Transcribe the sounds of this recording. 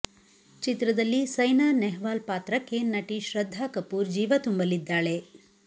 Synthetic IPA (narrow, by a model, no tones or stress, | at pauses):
t͡ʃit̪ɾɐd̪ɐlːisɐjnaːnɛɦʋaːlpaːt̪ɾɐkːe̞nɐʈiʃɾɐd̪ʱːaːkɐpːuːɾd͡ʒiːʋɐt̪umbɐlid̪ːaːɭe̞